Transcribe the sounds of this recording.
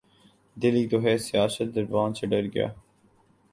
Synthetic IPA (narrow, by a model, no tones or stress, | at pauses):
d̪ɪliːt̪oɦɛsɪjaːsət̪̚d̪ɐɾbãːnt͡ʃʰəɖəɾɡɪja̰ː